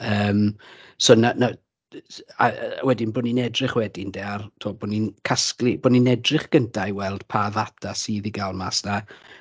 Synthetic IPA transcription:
əːmsoːnana | a̰wɛdɪnboːninɛdrɪχwɛdindeartʰoːboninkʰaskliboninɛdrɪχɡ̥əntʰajwɛlˠd̥pʰaðatʰasiːðiɡalˠmasna

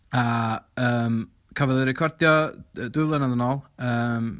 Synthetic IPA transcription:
aəːm | kʰavɔðəɾɛkʰɔrdjɔədʊɨlˠənaðənoːlˠəːm

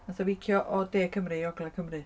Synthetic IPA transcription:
asɔvikʰjɔʔɔdeːkʰəmrɨjɔɡlɛkʰəmrɨ

